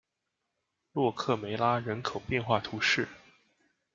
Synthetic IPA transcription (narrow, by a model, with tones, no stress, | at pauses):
lwɔ˥˧kʰɤ˥˩me˧˥ɪla˥ɻə˧˥nkʰo˨˩ʊpjɛ˥˧nxwa˥˩t̪ʰu˧˥ʂɻ̩˥˩